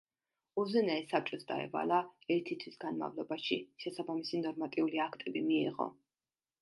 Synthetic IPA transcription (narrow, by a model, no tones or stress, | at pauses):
uzɛnaɛsap̚t͡ʃʼɔtsd̪a̰ɛ̰va̰lˠaɛɾt̪ʰit̪ʰwisɡ̥anma̰vlˠɔbaʃiʃɛsabamisinɔɾmat̪ʼiuliakʰt̪ʼɛbimiɛʁɔ̰